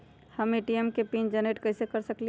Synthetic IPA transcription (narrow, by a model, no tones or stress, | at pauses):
həmeʈiemkepind͡ʒəneʈkəɪsekəɾsəkli